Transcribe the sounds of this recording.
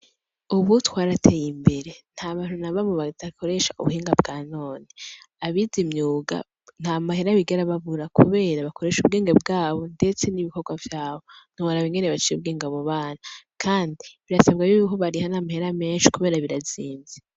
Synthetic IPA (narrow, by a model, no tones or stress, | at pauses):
uβutwaːɾatʰe̞jimbe̞ɾe̞n̥haːβaːn̥unaβamoβadakʰo̞ɾe̞ʃaṵβuhiːŋɡabɡaːnoːniaβizimɲuːɡa̰ | n̥hamaɦe̞ɾaβiɡeɾaβaβuɾakuβe̞ːɾaβako̞ɾe̞ʃub̚ɡe̞ːŋɡebɡaːβo̞nde̞t͡se̞niβiko̞ɡwavjaːβo̞n̥uβaɾaβiŋɡe̞neβat͡ʃijub̚ɡeːŋɡaβoβaːnakʰaːndiβiɾasabɡaβiβiɦoβaɾihanamahe̞ɾame̞ːnʃi̥kuβe̞ːɾaβiɾaziːnze